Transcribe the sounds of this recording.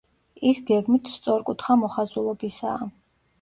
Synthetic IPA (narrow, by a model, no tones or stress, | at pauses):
isɡɛɡmit̪ʰst̪sʼɔɾkʼut̪ʰχamɔχazulˠɔbisa̰ː